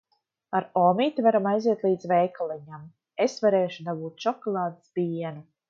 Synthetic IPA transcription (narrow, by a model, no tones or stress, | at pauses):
aɾoːmiːt̪ivaɾamajziɛt̪lˠiːd̪zvɛːkalˠiɲam | esvaɾeːʃud̪abuːt̪ʃɔkɔlˠaːd̪sbʲiɛnu